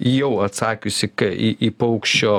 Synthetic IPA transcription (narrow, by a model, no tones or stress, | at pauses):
jɛʊɐt̪sɑːkʲʊsʲɪkɐiʔipɐʊkʃʲt͡ʃʲoː